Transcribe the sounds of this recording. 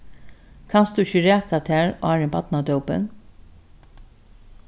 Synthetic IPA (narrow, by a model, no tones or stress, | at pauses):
kʰɑnsd̪ʉɪçəɾæːkat̪ʰæːɹɔæːɹɛnbɑt̪nad̪œwpə̰n